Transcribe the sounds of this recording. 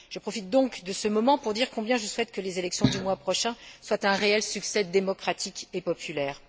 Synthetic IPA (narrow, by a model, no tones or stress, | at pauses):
ʒ̥əpχɔfit̪̚d̪ɔ̃kd̪əsəmɔmɑ̃puʁd̪iʁkɔ̃bjɛ̃ʒəswɛt̪kəlezelɛksjɔ̃d̪ymwapχɔʃɛ̃swat̪ɛ̃ʁeɛlsyksɛd̪emɔkχat̪ʰikepɔpylɛːʁ